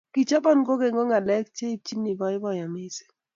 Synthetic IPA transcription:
ki˨t͡ʃa˦bɔ˦nɡo˦ɡe˨ŋɡo˦ŋa˨lɛ˦kt͡ʃe˦i˦˨t͡ʃi˦ni˨bɔ˨ɪ˦bɔ˦ja˨mɪ˦se̥˨

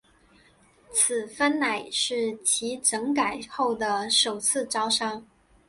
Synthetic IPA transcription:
t͡s̩ʰ˨˩fə˥nna˨˩ɪʂɻ̩˥˩t͡ɕʰi˧˥ʈ͡ʂɤ˧˥ŋka˨˩ɪxo˥˩ʊd̪ə˩ʂo˨˩ʊt͡sʰɹ̩˥˩ʈ͡ʂɑ˥ʊʂɑ˥ŋ

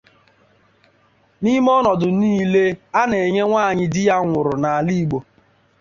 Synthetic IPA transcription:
ni˦m˦ɔ˦nɔ˨dʊ˨niː˦le˦a˦ne˨ɲe˦ŋʷa˦˨ɲɪ˦dɪ˦ja˦ŋʷʊ˨ɾʊ˨na˨a˨li˦i˦˨ɡ͡bo˨

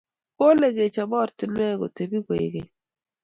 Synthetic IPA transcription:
ko˦le˨ɡe˨t͡ʃa˨bɔ˦˨ɾtɪ˨nwɛ˦ɡo̰˨te˨bi˦ɡwḛ˨ɡe˨

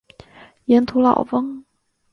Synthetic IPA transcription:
jɛ˧˥nt̪ʰu˧˥lɑ̰˨˩ʊfɤ˥ŋ

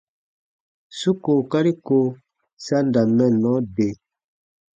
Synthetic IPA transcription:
su˦ko˨ka˦ɾi˦ko˦ | sa˦nda˨mɛ˦˨nɔ˨˦de˨

